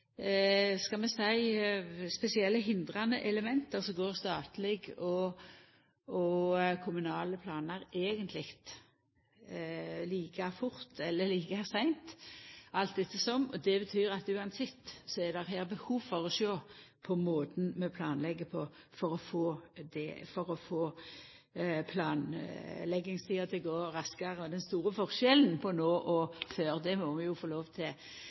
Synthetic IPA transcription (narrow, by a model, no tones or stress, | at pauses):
skɑmɛsæɪspɛsɪɛlːəɦɪnd̪ɾɑnəʔɛləmɛnt̪əɾsɔɡoːɾst̪ɑːt̪lɛɡɔ | ɔkʰʊmʉnɑːləpʰlɑːnəɾeːɡənt̪ʰlɪɡt̪ | liːkʰɑfʊɾt̪ɛlːəliːkəæsæɪnt̪ʔɑlt̪̚d̪ɛt̪ːəsɔmːɔd̪ɛbət̪ʰyːɾɑt̪ʉːɑnsɛt̪ːsɔɛd̪ɛʁɦæːɾbəhuːʋfɔʁɔʃoːpʰɔmoːt̪n̩mɛpʰlɑːnlɛɡːəpʰɔfɔɾɔfoːd̪ɛ̰fɔɾɔfoː | pʰlɑːnlɛɡːɪŋst̪ʰiːɑt̪ʰɪɡoːɾɑskɑʁəɔd̪ɛnst̪uːɾəfɔʁʃɛln̩pʰɔnoːʔɔføːɾd̪ɛmɔmɛjʊfoːloːʋt̪ʰɪl